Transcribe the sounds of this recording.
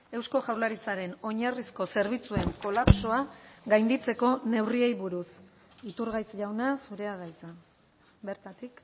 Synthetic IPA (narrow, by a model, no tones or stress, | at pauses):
e̞wsko̞ʝawlaɾit͡saɾe̞no̞ɲarisko̞se̞ɾβ̞it͡sue̞ŋko̞lapso̞aɡajnd̪it͡se̞ko̞ne̞wrie̞jβuɾus | it̪uɾɣajt͡sʝawnasuɾe̞aɣajt͡sa | be̞ɾt̪at̪ik